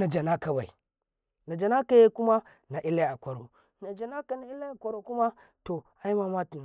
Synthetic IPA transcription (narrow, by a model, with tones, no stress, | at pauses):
na˨d͡ʒa˨na˦ka˨ba˨ḭ˨ | na˨d͡ʒa˨na˦ka˨je˦ku˦ma˦ | na˨ʔi˦lːa˦a˨kʷa˨ɾo̰˨ | na˨d͡ʒa˨na˦ka˨na˨i˦la˦a˨kʷa˦ɾo˨ku˦ma˦ | to˨ | a˦i˦ma˦ma˦tu˨n˨